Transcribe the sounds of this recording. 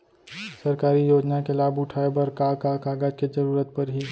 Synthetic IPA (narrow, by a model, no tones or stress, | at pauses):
sɐɾkaːɾijoːd͡ʒnakelaːbʊʈʰaːebɐɾkaːkakaːɡaːd͡ʒkezɐɾuːɾət̪̚pɐɾɦi